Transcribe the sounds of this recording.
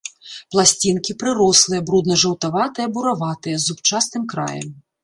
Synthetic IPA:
plˠasʲt͡sʲinkʲipɾɨɾɔslˠɨjɛbɾud̪nɐʐɐwt̪avat̪ɨjɛbuɾavat̪ɨjɐzupt͡ʂasnɨmkɾa̰jɛ̰m

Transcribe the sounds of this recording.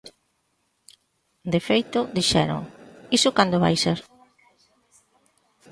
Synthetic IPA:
d̪efejt̪ʊd̪iʃɛ̰ɾʊ̰ŋisʊkand̪oβa̰jseɾ

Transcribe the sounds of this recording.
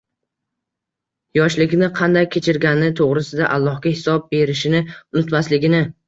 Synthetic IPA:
jɒʃlɪɡʲnɪqʰɑnd̪ajkʲʰːe̞t͡ʃʰɪɾɡʲanɪt̪ʰoʁɾɪsɪd̪aʔalˠːɒhɡʲahɪsɒb̚be̞ɾɪʃɪnɪʊnʊt̪maslɪɡʲɪnɪ

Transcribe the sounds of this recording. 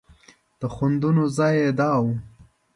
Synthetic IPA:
d̪̥əxʊnd̪unozɑjed̪ɑːwu

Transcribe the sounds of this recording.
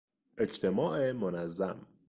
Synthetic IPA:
ʔed͡ʒt̪ʰemɒːʔemonæzːæm

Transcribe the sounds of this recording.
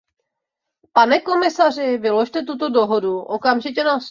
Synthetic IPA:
panɛko̞mɪsar̝ɪvɪlo̞ʃt̪ɛt̪ut̪o̞do̞ɦo̞duʔokamʒɪcɛnas

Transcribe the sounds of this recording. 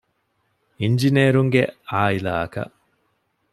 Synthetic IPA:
iɲd͡ʒineːɾuŋɡeaːila̰ːɐkɐ̰ʔ

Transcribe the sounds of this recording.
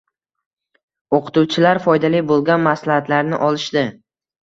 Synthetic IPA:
oqʰʊ̥t̪uwt͡ʃʰɪlaɾfɒjd̪alijbolˠɡʲanmaslahat̪laɾnɪ̰ʔɒlˠɪʃd̪ɪ

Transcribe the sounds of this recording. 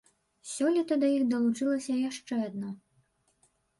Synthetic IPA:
sʲɔlʲit̪ɐd̪ɐjixd̪ɐlˠut͡ʂɨlˠɐsʲɐjaʂt͡ʂɛad̪̚na

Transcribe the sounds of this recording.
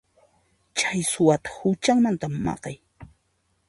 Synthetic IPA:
t͡ʃajsʊwat̪ḁhʊt͡ʃaŋmant̪amːɑ̰qɑj

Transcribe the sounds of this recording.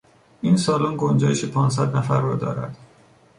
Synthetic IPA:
ʔinsɒːlonɡond͡ʒɒːjeʃepʰɒːns̬æd̪næfæɾːɒːd̪ɒ̰ːɾæ̰d̪̥

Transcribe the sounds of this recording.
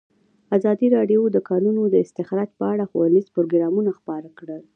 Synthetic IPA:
azɑd̪iɾɑɖjod̪əkɑnunod̪əɪst̪ɪxɾɑd͡ʒpəaɽaxuwanizpɾoɡɾɑmunaxpɑɾakɽəl

